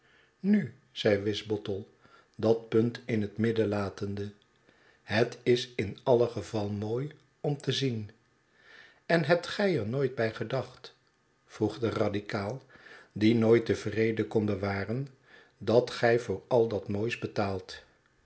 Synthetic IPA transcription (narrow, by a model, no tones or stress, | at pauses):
ny | z̥ɛjʋɪzbɔtəlˠ | dɑt̚pɵntɪnɦətmɪdəlaːtəndə | ɦətɪsɪnɑləχəvɑlˠəmoːj | ɔmtəzin | ɛnɦɛp̚tχɛjɛɹnojt̚bɛjχədɑχt | fruχdərɑdikaːlˠdinoːjtəvrejdəkɔnbəʋaːrən | dɑtχɛjvʊːɹɑlˠdɑtmoːjsbətaːlˠt